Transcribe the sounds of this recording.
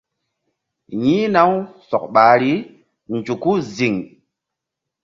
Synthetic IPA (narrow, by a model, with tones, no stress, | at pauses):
ɲi˦na˦wsɔ˨k̚ɓa˨ɾi˦ | n˨d͡ʒu˨ku˦zi˨ŋ